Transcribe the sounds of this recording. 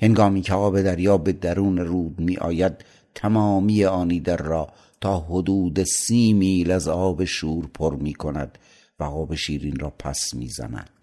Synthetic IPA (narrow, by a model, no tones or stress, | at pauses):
he̞ŋɡɒːmiːcʰeɒːbe̞d̪æɾjɒːbe̞d̪æɾuːneɾuːd̪miːʔɒ̰ːjæd̪̚ | t̪ʰæmɒːmiːjeɒːniːd̪æɾːɒː | t̪ʰɒːɦod̪uːd̪esiːmiːlæzɒːbe̞ʃuːɾpʰoɾmiːkʰonæd̪̥ | væɣɒːbeʃiːɾiːnrɒːpʰæ̰smḭːzæ̰næ̰d̪̥